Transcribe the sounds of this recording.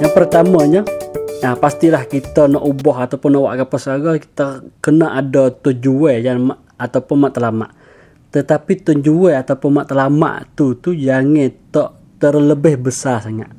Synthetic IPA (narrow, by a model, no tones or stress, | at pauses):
jaŋpərt̪aməɲəapast̪ilahkit̪ənɔʔubɔɦat̪awpʊnɔʔwa̰ʔɡapəsaɡɔki̥t̪əkənəʔadɔt̪ʊnd͡ʒuwɛjaŋma | at̪awpʊnmaʔt̪əlama̰ʔ | t̪ət̪apit̪ʊnd͡ʒuwɛat̪aupʊnmaʔt̪əlama̰ʔt̪ut̪ujaŋɛt̪ɔʔ | t̪ərləbɪhbəsasaŋa̰ʔ